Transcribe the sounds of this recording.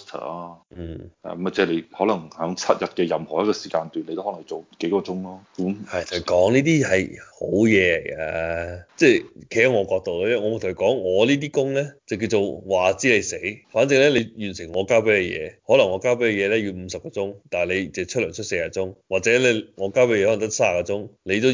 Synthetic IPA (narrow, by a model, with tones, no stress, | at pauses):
st̪ʰə̰ː˨˩aː˦˥n̩ː˥˩ɛ̰˧˨˦mɐ˨˧˩t͡sɛ˥˩le˨˧jhɔː˨˥lɐ˨˩ŋhœː˨˥ŋt͡sʰɐ˥t̚jɐ˨t̚kɛ˧jɐ˨mhɔː˨˩jɐ˥t̚kɔː˧si̥ː˨˩kaː˧nt̪yː˨nle˧t̪o˥hɔː˨˦˥n˨˩t͡so˨wke˨˥jkɔː˧t͡sʊ˥ŋlɔː˥kmhɐ˨˩jt̪ʰo˨˩kɔː˨˥ŋniː˥t̪̬iː˥hɐ˨jho̰˨˥wjɛː˨˧lḛ˨˩jɡa̰ː˧t͡sɛː˥˧˩kʰe˨˩ja˥ŋɔː˨˧kɔː˧k̚t̪o˨wlːɛ˥ŋɔ˨˧mu˨˩t̪ʰo˨˩kɔː˨˥ŋːɔː˨˧liː˥t̪̬iː˥kʊ˥ŋlɛː˥t͡sɐ˨˩wk̬i˧wt͡so˨˧wwaː˨˩t͡siː˨˥le˨˧jse˨˥jfaː˨˥nt͡sɪ˨ŋlɛː˥le˨˧jjyː˨˩nsɪ˨˩ŋːɔː˨˧kaː˥wpe˨˥kɛ˧jɛ̰ː˨˧hɔː˨˥lɐ˨˩ŋːɔː˨˧kaː˥wp̬e˨˥kə˧jɛː˨˧lɛː˥jyː˧m̩˨˧sɐ˨p̚kɔː˧t͡sʊ˥ŋt̪aː˨le˨˧jt͡sɛ˨˩t͡ʃʰɵ˥t̚lœː˨˩nt͡ʃʰt̚se˧jɐ˨˩t̚t͡sʊ˥ŋwaː˨t̚t͡sɛː˨˦˥lɛ˧ŋɔː˨˧kaː˥wpe˧˥jɛː˧ɔː˨˥˨t̪ɐ˥sa˥a˨˩kːɔː˧t͡sʊ˥ŋle˨˧t̪o˥